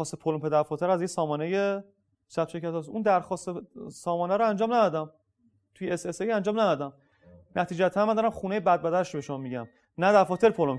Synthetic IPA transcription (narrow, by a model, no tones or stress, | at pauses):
ɒːst̪epʰolompʰe̞d̪æɾfɒːt̪ʰeɾæzjesɒːmɒːneje | sæt̪̚ʃe̞ɾcʰæt̪ɒːsund̪æɾxɒːst̪esɒːmɒːnæɾoænd͡ʒɒːmnæd̪ɒd̪æm | t̪ʰujeesesejænd͡ʒɒːmnæd̪ɒd̪æm | næt̪ʰiːd͡ʒæt̪ʰænmænd̪ɒɔɾæmχuːnejebæd̪̚bæd̪æɾʃobe̞ʃomɒːmiɟæ̰m | næd̪æɾfɒːt̪e̞ɾpʰolom